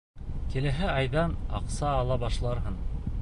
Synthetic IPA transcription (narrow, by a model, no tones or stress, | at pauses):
kĭlɘ̆ɦæɑjðɑnɑ̰qsɑːlˠɑbɑʃlˠɑɾɦɤɴ